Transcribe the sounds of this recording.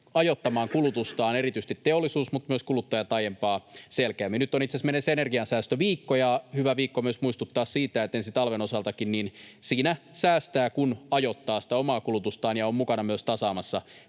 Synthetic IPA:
ɑjot̪ːɑmɑːŋkulut̪ust̪ɑːnerit̪yist̪it̪teolːˑisuːsmut̪myøskulut̪ːɑjɑt̪ɑjempɑːselkæːmːinyt̪ːˑonit̪sesmenesenerɡiɑnsæːst̪øʋiːkːojɑhyʋæʋiːkːomyøsmuist̪ut̪ːɑːssiːt̪æet̪ensit̪ɑlʋenosɑlt̪ɑkinniːnsiːnæsæːst̪æːkunɑjot̪ːɑːsi̥t̪æomɑːkulut̪ust̪ɑːnjɑommukɑnɑmyøst̪ɑsɑːmɑsːɑ

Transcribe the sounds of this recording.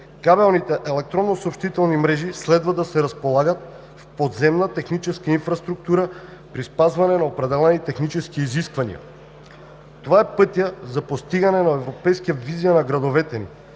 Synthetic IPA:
kabɛlˠnit̪ɛʔɛlɛk̚t̪ɾonːosoːpʃt̪it̪ɛlˠnimɾɛʒislɛd̪vad̪asɛɾɐspolˠaɡat̪̚ | fpod̪zɛmnat̪ɛxnit͡ʃɛskainfɾast̪ɾuk̚t̪uɾa | pɾispazvanɛnaopɾɛd̪ɛlɛnit̪ɛxnit͡ʃɛskiːziskvanḭɐ̰ | t̪ovaɛpɤt̪ijazapost̪iɡanɛnaɛvɾopɛjskijavizijanaɡɾad̪ovɛt̪ɛnḭ

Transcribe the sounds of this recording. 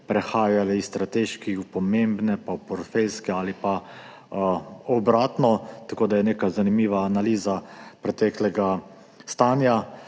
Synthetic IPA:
pɾɛxaːjalɛist̪ɾat̪eːʃkixupɔmembnɛpapɔɾt̪felskɛaːlipa | ɔbɾaːt̪nɔt̪akoːd̪ajɛneːkazanimiːʋaːnaliːzapɾɛt̪ɛklɛɡa | st̪aːnja

